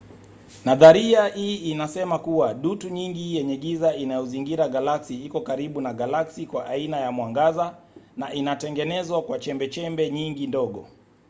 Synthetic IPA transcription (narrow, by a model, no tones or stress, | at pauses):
naðaɾiahiːnasɛmakuwaɗutuɲiŋɡijɛɲɛɡizainajɔziŋɡiɾaɡalaksiikɔkaɾiɓunaɡalaksikwaʔainajamwaŋɡazanaʔinatɛŋɡɛnɛzwakwat͡ʃɛmbɛt͡ʃɛmbɛɲiŋɡindɔɠɔ̰